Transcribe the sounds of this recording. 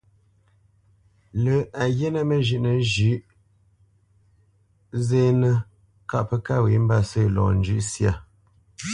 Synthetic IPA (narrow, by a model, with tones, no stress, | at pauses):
lə˨a˨je˦nə˦mə˨ʒʉ˨ʔnə˨ʒʉ˨˦ʔ | ze˦nə˦ | ka˦ʔpə˦ka˦˨wi˨˦m˦ba˦˨sə˦˨lɔ̰ː˨n̩˦d͡ʒʉ˦ʔsja˦˨